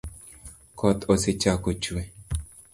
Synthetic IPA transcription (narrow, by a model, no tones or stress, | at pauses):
kʰɔt̪oset͡ʃakot͡ʃue